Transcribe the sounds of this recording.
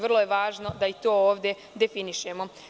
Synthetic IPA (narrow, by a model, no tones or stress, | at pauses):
ʋr̩lˠojeʋaːʒno̞d̪ait̪oːoːʋd̪ʲje̞ | d̪e̞finiʃemo̞